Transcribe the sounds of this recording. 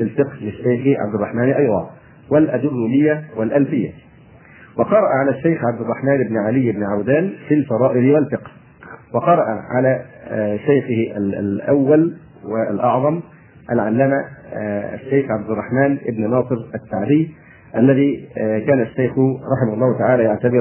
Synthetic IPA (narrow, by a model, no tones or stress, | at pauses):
lɪlfɪqhlɪʃːajxʕa̰b̚d̪ɪrˤːɑħmaːnʔɑjd̪ˤɑ̰ː | walʔad̪ʊrːulɪjːawalʔælfɪjːa̰ | wɑqɑɾˤɑʔaʕalæʃːajxʕab̚d̪ɪrˤːɑħmæːnʔɪbnʕalɪjːʔɪbnɪʕawd̪aːnfilfɑɾˤɑːʔɪlwalfɪqh | wɑqɑɾˤɑʔaʕalæʃajxɪhʔa̰l̰ʔawːal | wɪlʔɑʕðˤɑm | ʔalʕalːæːma | a̰ʃːajxʕab̚d̪ɪrˤːɑħmaːnʔɪbnɪnɑːsˤɨɾat̪ːaʕd̪ɪj | ʔalːæðiːkaːnaʃːajxʊɾˤɑħɪmahʊlˤːɑːhʊt̪aʕaːlæjaʕt̪abɪɾ